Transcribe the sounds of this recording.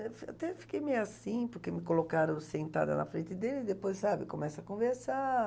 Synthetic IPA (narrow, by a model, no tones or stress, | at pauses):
fat̪ɛfi̥kejmejwasĩpoɾkemɪkolokaɾõsẽnt̪a̰d̪ɐ̰nɐ̰fɾẽnt̪ɪd̪elɪd̪epojssabɪkomɛsɐkõveɾsa